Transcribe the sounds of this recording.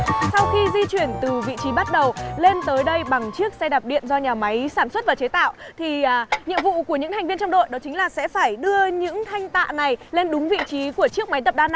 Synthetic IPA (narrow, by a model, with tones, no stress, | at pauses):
sa˧wxi˧zi˧t͡ɕwi˧˩ənt̪ɨ˨˩vḭ˧˨t͡ɕi˨˦ɓa˦˥t̚ɗə˨˩wle˧nt̪əː˨˦jɗə˧jɓa˨˩ŋt͡ɕɨ˦˥ək̚sa˧jɗa˨˩p̚ɗḭ˧˨ənzɔ˧ɲaː˨˩ma˨˦jsaː˧˩nswə˦˥t̚vaː˨˩t͡ɕe˨˦t̪a̰ː˧˨wʔt̪ʰiː˨˩˨ɲḭ˧əmvṵ˧˨ku˧˩əɲɨ̰˧˥ŋt̪ʰa˨˩ŋ̟vi˧ənt͡ɕɔ˧wŋ͡mɗo̰˧˨jɗɔ˨˦t͡ɕï˨˦ŋ̟laː˨˩sɛ̰˧˥faː˧˩jɗɨ˧əɲɨ̰˧˥ŋt̪ʰa˧jŋ̟t̪a̰ː˧˨na˨˩jle˧nɗʊ˨˦ŋ͡mvḭ˧˨t͡ɕi˨˦ku˧˩ət͡ɕɨ˦˥ək̚ma˨˦jt̪ə˨˩p̚ɗaː˧n˧